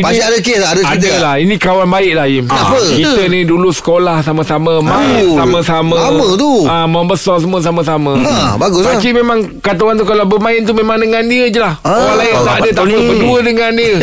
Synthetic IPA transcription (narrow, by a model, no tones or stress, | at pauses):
ipaiadəkesadəkaidalahinĩkawanbaɪʔlahɪmapəkit̪ənĩdulusə̥kolahsaməsaməmãnsamãsamə̃mət̪uaməmbəsɔrs̬əmũəsaməsamə̃abaɡʊsakimemãŋ | kat̪awant̪̬ukalawbəmãɪnt̪umemaŋdəŋandiəd͡ʒəlahwalaɪnt̪aadət̪apəkəduədəŋandiə